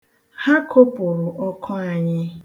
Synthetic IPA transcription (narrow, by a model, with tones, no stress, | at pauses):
ha˦kʰo˦pʊ˨ɾʊ˨ʔɔ˦kʰɔ˦a˨ɲɪ˦